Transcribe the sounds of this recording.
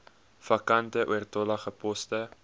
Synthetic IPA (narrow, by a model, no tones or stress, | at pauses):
fɐkɐntəʔṵərtɔlɐχəpɔstə